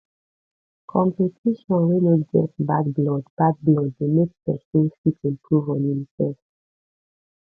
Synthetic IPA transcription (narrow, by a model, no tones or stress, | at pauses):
kʰɔ̃mpetʰiʃɔ̃nwinɔt̚ɡɛ̰tbaɡblɔdbaɡ̚blɔddemekpɛsĩnfitsɛ̃mpʰɹuvɔ̃ninsɛf